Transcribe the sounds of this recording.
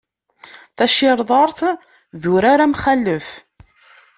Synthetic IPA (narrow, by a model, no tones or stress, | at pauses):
θæʃɪɾˤðˤɑɾˤθ | ðʊɾaɾamχælːəf